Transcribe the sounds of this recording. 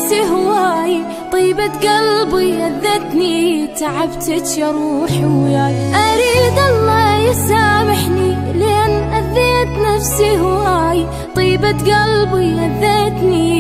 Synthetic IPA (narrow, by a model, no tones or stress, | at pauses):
siɦwaːj | t̪ˤiːbat̪ɡalbiʔaðːat̪nit̪aʕabt̪ɪt̪jɑɾˤuːħɪwjaːjʔaɾiːd̪ʔɑlˤːɑːjɪsaːbɪħni | lɪʔanʔaðːeːt̪nafsiɦwaːj | t̪ˤiːbat̪ɡalbiʔaðːeːt̪ni